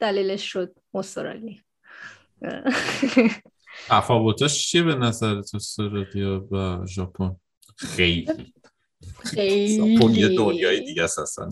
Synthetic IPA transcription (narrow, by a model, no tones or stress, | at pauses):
d̪̥æliːleʃːod̪̚most̪oɾɒ̰li | t̪ʰæfɒːvo̞t̪ʰɒʃt͡ʃʰiebe̞næzæɾet̪ʰost̪eɾɒd̪ijɒvæʒɒːpʰon | xejli | ejɒpʰonjed̪onjɒːjed̪iːɟæsæst̪æ̰n